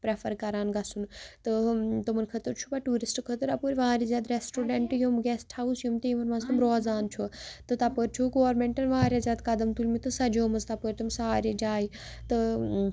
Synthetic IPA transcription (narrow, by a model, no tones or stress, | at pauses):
pɾefʰɐɾkɐɾaːnɡɐsunt̪ɨt̪ɐmɐnkʰɐt̪əɾt͡ʃʰubɐʈuːɾisʈkʰɐt̪əɾɐpoːɾʲʋaaːɾazʲjaːt̪ɾesʈoːɖeɳʈjomɡesʈʰausjumt̪iːmɐnmɐzt̪ɐmɾoːzaːnt͡ʃʰot̪ɨt̪ɐpəɾt͡ʃʰuɡoːɾmeɳʈɐnʋaaːɾʲjaːzʲjaːd̪kɐd̪ɐmt̪ulʲmit̪ɨsɐd͡ʒoːmɐzt̪ɐpəɾʲt̪umsaːɾed͡ʒaːit̪ɨ